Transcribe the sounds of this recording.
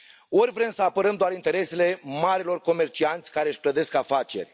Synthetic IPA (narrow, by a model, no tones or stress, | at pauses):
o̞ɾʲvɾe̞msəapəɾəmd̪oaɾint̪e̞ɾe̞se̞le̞maɾilo̞rko̞me̞rt͡ʃiant̪sʲkaɾe̞ɨʃʲpləd̪e̞skafat͡ʃe̞̰rʲ